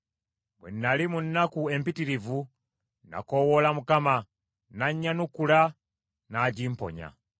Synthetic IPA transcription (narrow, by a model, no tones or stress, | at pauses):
bwḛnːalimunːakue̞mpitiɾivu | na̰kowolamukama | naɲːanukula | naɟiːmpo̰ɲa̰